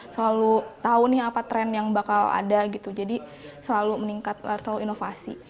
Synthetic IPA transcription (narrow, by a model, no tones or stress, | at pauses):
səlalut̪aunɪhapat̪ɾɛnjaŋbakala̰daɡit̪ud͡ʒadisəlaluməniŋkat̪̚səlaluinofasi